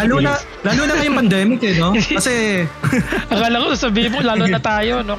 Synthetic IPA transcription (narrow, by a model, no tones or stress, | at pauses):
laːloːnɐ | laːloːnɐkɐjoŋpɐnd̪ɛːmɪkɛno̞kɐsɛ | ɐɡalɐkosasɐbiːhɪmolaːloɐt̪aːjo̞no